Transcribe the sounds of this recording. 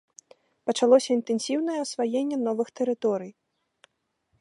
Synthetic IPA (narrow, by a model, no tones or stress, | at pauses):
pɐt͡ʂalˠɔsʲɐint̪ɛnsʲiwnɐjɛɐsvajenʲːɛn̪ɔvɨxt̪ɛɾɨt̪ɔɾɨj